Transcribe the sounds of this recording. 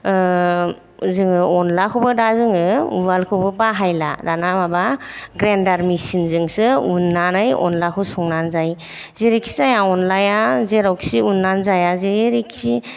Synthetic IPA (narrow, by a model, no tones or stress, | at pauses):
zɯŋɯɔnlakʰubɯdazɯŋɯualkʰɯbɯbaɦajla̰danamaba | ɡɾendaɾmisinzɯŋsɯunːanajɔ̰nlakʰɯsɔŋnanzaj | zeɾiksʰizajaɔnlajazeɾawksiunːanzajazeɾiksi